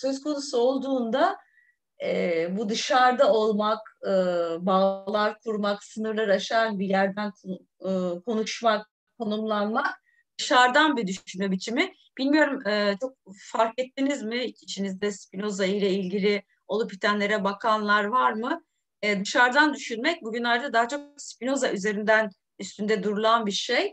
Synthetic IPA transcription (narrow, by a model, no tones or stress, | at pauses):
søzkʰo̞nusuo̞lˠd̪uːnd̪a | ɛbud̪ɯʃaɾd̪ao̞lˠmakɯbaːlˠaɾkʰuɾmaksɯnɯɾlˠaɾaʃaanbijæɾd̪ænkʰː | kʰo̞nuʃmak̚ | kʰːo̞numlˠanmak̚ | d̪̥ɯʃaɾd̪anbid̪yʃynmɛbit͡ʃʰimɪ | b̥ilʲmijo̞ɾumɯːt͡ʃʰo̞k̚faɾkɛt̪ʰːinizmɪcʰi̥ʃinizd̪ɛspino̞zaɯjlʲɛilʲɟilʲɪ | o̞lˠupʰːit̪ʰænlʲe̞ɾɛbakʰanlˠaɾvaɾmɯ | ɛd̪ɯʃaɾd̪and̪yʃynmɛc̚buɟynlʲaɾd̪ad̪aɦat͡ʃʰo̞kspino̞zaʔyze̞ɾind̪æn | yst̪ʰynd̪ɛd̪uɾulˠanbiɾʃej